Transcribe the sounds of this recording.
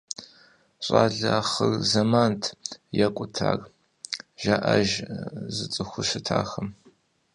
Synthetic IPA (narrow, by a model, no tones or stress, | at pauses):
ɕʼaːɮaχərzɐmaːntʰjɛkʷʼʊtʰaːr | ʒaʔɐʒzɨt͡sʼɨxʷʊʃɪtʰaːxɐm